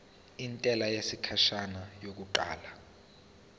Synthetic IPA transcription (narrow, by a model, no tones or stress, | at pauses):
intʼɛlajesikʰaʃanajok̬uǃa̰ːla